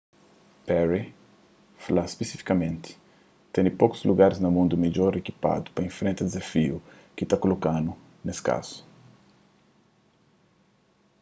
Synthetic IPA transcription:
pɛɾi | falaspesifi̥kɐmẽnt̪ɪ̥ | t̪ẽnipoku̥zluɡaɾiznɐmũnd̪umeʎoɾekipa̰d̪u̥pɐĩfɾẽnt̪ad̪ezafiu | kit̪akolokãnu | neska̰z̥u̥

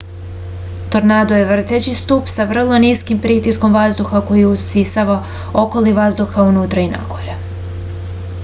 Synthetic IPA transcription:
t̪o̞ɾnaːd̪ojeʋr̩t̪et͡ɕist̪upsaʋr̩lˠo̞niskimpɾit̪isko̞mʋazd̪uxako̞jiuisaʋa | o̞ko̞liʋazd̪uxaunuːt̪ɾaina̰ɡ̥o̞ɾe

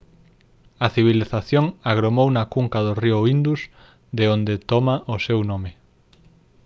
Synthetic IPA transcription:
ɐθiβ̞iliθaθjoŋaɣɾomownɐkuŋkaðʊrioind̪us | d̪eond̪et̪ɔmaʔʊsewnome

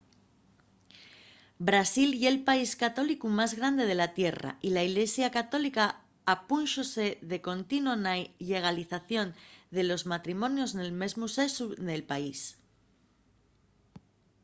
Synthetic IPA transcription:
bɾasilje̞lpaiskat̪o̞likumazɣɾand̪e̞ð̞e̞lat̪je̞ra̰ilaiɣle̞sjakat̪o̞likaː | punʃose̞ðe̞ko̞nt̪inonaʎe̞ɣ̞aliθaθjo̞nd̪e̞lo̞zmat̪ɾimõ̞njo̞sne̞lme̞zmuse̞suðe̞lpais

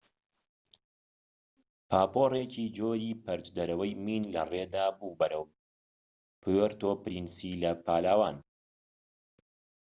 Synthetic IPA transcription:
pʰaːpoːreciːd͡ʒoːɾiːpɐɾd͡ʒd̪ɐɾɐwɐjmiːnlɐreːd̪aːbuːbɐɾɐw | pɨwɛɾt̪oːpɨɾinsilɐpʰaːlaːwaːn

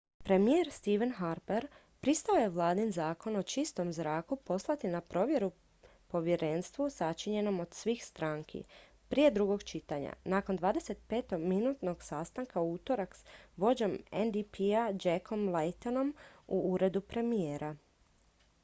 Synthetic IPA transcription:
pɾe̞mijeɾst̪iʋenɦaɾbeɾ | pɾist̪ao̞je̞ʋlˠaːd̪inzaːko̞no̞t͡ʃist̪o̞mzɾaːkupo̞slˠat̪inapɾo̞ʋje̞ɾu | po̞ʋje̞ɾe̞nst̪ʋusat͡ʃiɲe̞no̞mo̞d̪̥sʋiːxst̪ɾaːŋkʰḭ | pɾije̞d̪ɾuɡo̞ɡt͡ʃit̪aɲa̰naːko̞nd̪ʋaːd̪e̞se̞t̪pe̞ːt̪o̞ɡminuːt̪no̞ɡ̥sast̪aŋkauːt̪o̞ɾaksʋo̞d͡ʑo̞mend̪ipʰiad͡ʒekʰo̞mlejt̪ono̞muuːɾe̞d̪upɾe̞mijeːɾʔa

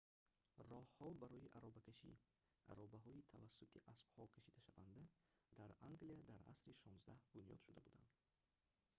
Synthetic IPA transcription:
rɔhhɔbaɾɔjiʔaɾɔbakʰaʃḭ | ʔa̰ɾɔbaɦɔit̪ʰavasːut̪ʰiʔasb̥hɔkʰaʃid̪æʃavand̪ad̪̥aɾaŋɡliad̪aɾa̰sɾiʃɔnzd̪ahbunjɔ̰d̪ʃud̪abud̪a̰nd̪̥

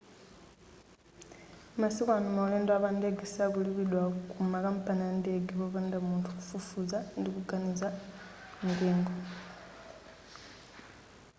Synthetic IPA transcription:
masikwanumauleːndwaβandeɡisakuliβiɗwakumakampanandeɡiβoβandamuːntʰuku̥fufuzandikuɡaniza | miɡeːŋɡo

